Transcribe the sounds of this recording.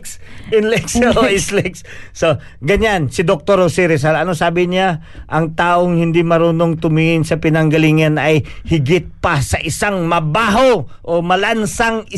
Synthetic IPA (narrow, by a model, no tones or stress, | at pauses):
sɪnlɛk̚sɛoʔɪslɛksso | ɡɐɲansɪd̪ok̚t̪oɾosiɾɛs̬alɐnosaːbɪɲa | ʔɐŋt̪aːʔoŋhɪnd̪imɐɾuːnoŋt̪ʊmiŋɪnsɐpɪnɐŋɡɐliŋɐnɐjhɪɡɪt̪̚pasɐʔɪsaŋmɐbaːɦoʔomɐlansaŋɪ